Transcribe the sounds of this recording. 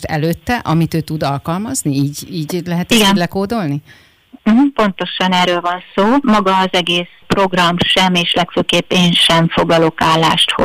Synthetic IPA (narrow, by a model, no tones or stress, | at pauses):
t̪ɛ̰løːt̪ːɛʔɒmit̪øːt̪ud̪ɒlkɒlmɒzniiːɟiːɟlɛɦɛt̪iɡɛːɟlɛkoːd̪o̞lni | m̩ɦm̩po̞nt̪o̞ʃɒnɛːɾøːlvɒnsoːmɒɡɒːzɛɡeːs | pro̞ɡrɒmʃɛmeːʃlɛkføːkeːpːeːnʃɛɱfo̞ɡlɒlo̞kaːlːa̰ːʃt̪ho̰